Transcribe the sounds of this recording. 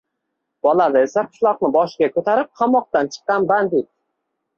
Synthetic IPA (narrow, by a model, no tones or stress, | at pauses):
b̥ɒlad̪aesaqʰʊ̥ʃlˠɒqnɪbɒʃɪɡʲakʰɵt̪ʰaɾɪp̚qʰɑmɒq̚t̪ant͡ʃʰɨ̥qːɑnband̪et̪̚